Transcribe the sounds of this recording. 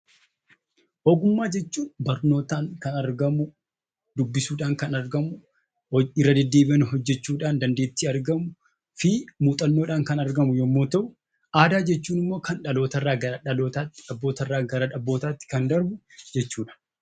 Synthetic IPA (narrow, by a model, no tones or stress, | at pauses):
ʔɔːɡʊmːaːd͡ʒɛt͡ʃːuːnbɐɾno̞ːt̪aːŋkɐnɐɾɡɐmʊ | d̪ʊbːɪsuːᶑaːŋkɐnɐɾɡɐmʊ | ɪrːɐd̪ɛd̪ːe̞ːbɪɐnɦɔd͡ʒːɛt͡ʃːuːᶑaːnd̪ɐnd̪e̞ːt̪ːiːɐɾɡɐmʊ | fɪmuːt̪ʼɐnːo̞ːᶑaːŋkɐnɐɾɡɐmʊjomːoːt̪ɐʔʊ | aːd̪aːd͡ʒɛt͡ʃːuːnɪmːo̞ːkɐnᶑɐlo̞ːt̪ɐrːaːɡɐɾɐᶑɐlo̞ːt̪aːtːɪᶑɐbːoːt̪ɐrːaːɡɐɾɐᶑɐbːo̞ːt̪aːt̪ːɪ̥kɐnd̪ɐɾbʊd͡ʒɛt͡ʃːuːᶑɐ̥